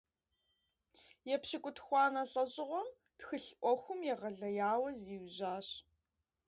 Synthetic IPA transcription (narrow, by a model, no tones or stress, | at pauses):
jɛpɕɪkʷʼʊtxʷɑːnɐɬʼɐʑʼɪʁʷɔm | txɨɬʔʷɔxʷʊmjɛʁɐɮɐjaːwɐziːwʑaːɕ